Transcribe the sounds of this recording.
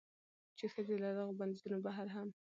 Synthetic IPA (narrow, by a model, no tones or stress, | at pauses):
t͡ʃexəzelad̪aɣoband̪izunobaɦaɾɦam